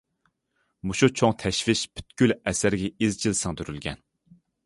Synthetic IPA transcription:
muʃut͡ʃʰoŋt̪ʰɛʃvɪʃpʰy̥t̪kʲylɛsæɾɡʲɛizt͡ʃʰilsɨŋd̪yɾylɡʲɛ̰n

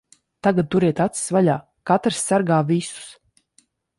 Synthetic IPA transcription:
t̪aɡad̪̚t̪uɾɛt̪at̪si̥svaʎʲaː | kat̪ɾsːaɾɡaːvisu̥s

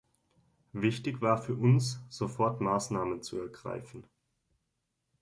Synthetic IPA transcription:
vɪçtɪçv̥aːɐfyːɐʔʊnsz̥ofɔɐtmaːsnaːmənt͡sṵɛɐɡʁa̰ɪfn̩

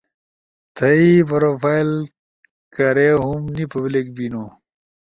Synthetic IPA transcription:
t̪ʰɐipɐɾofail | kɐɾeɦumnipɐblek̚bino

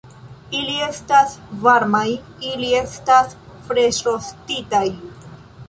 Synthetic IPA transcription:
ilie̞stasvaɾmaj | ilie̞stasfɾe̞ʃɾostitaj

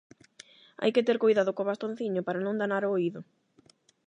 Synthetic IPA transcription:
a̰jkɪt̪eɾkojðaðokoβast̪on̟θiɲʊpaɾanõŋd̪anaɾoːiðʊ

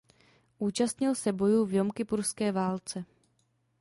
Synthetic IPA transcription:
ʔuːt͡ʃast̪ɲɪlsɛbo̞juːvjo̞mkɪpuɾskɛːvaːlt͡sɛ

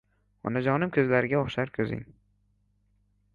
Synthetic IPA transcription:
ɒ̰nad͡ʒɒnɪmkʰʲɵzlaɾɪɡʲaoχʃaɾkʲʰɵzɪ̰ŋ

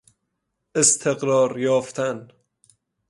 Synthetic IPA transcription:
est̪ʰeɣɾɒːɾjɒːft̪ʰæn

